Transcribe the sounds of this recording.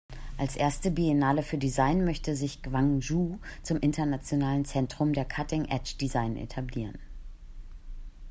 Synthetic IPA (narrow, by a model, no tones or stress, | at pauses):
ʔalsʔeːɐstəbienaːləfyːɐdizaɪnmœçtəzɪçkv̥aŋʒuːt͡sʊmʔɪntɐnat͡sjonaːlənt͡sɛntʁ̥ʊmdeːɐkʰatɪŋʔɛt͡ʃd̥izaɪnʔḛtʰabliːʁ̞ən